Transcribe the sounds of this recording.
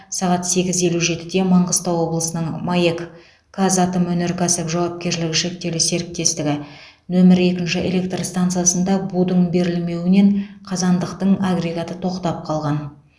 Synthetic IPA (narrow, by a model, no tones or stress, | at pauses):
sɑʁɑt̪se̞ɡʲɪze̞luʒe̞t̪ɪd̪e̞mɑɴʁəst̪ɑwwo̞blˠəsənəɴmajek | kʰːazɑt̪əmwɵne̞ɾkʰɑst̪əkʒɑwɑp̚kʲe̞ɾʃlɪɡʲɪʃe̞k̚t̪e̞lɪse̞ɾɪk̚t̪e̞st̪ɪɡʲɪ | nɵmɪɾe̞kʲɪnʃɪʔe̞̰lʲe̞k̚t̪rst̪ant̪sijasənd̪ɑbud̪əɴbe̞ɾɪlme̞wɪne̞ɴqʰɑzɑnd̪əqt̪əɴaɡre̞ɡat̪ət̪ʰo̞qt̪ɑp̚qʰɑlˠʁɑn